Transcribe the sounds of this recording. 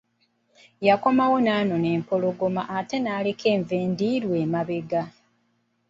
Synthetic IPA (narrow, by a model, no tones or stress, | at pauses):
jako̞mawo̞naːno̞ne̞ːmpoloɡo̞maʔːte̞naːlekʰe̞ːɱve̞ːndiːɾweːmaβeɡa